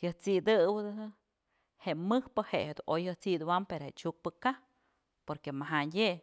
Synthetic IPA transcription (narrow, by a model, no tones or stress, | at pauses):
jɨht͡sid̪ɨwɨd̪ɨd̪ɨ | heʔmɨhpɨhehed̪ṵnʔojhɨht͡siʔd̪uwampeɾoheʔt͡ʃuk̚pɨka | poɾkemaɦaje